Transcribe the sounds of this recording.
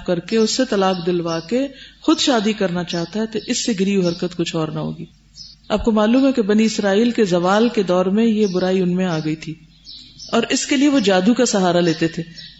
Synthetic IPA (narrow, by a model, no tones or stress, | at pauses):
kɐɾkeʊsːet̪ɐlaːkd̪ɪlʋaːkexʊd̪ʃaːd̪ikɐɾnat͡ʃaːɦt̪aɦɛt̪oʔɪsːeɡɪɾiːuɦɐɾkət̪kʊt͡ʃʰɔːɾnaɦo̰ːɡiː | aːb̚komaːluːmɦɛkebɐniɪsɾaːiːlkezɐʋaːlked̪ɔːɾmẽjebʊɾaːiʊnmẽaːɡɐit̪ʰiː | ɔːɾɪskelieʋod͡ʒaːd̪ukasɐɦaːɾaleːt̪et̪ʰeː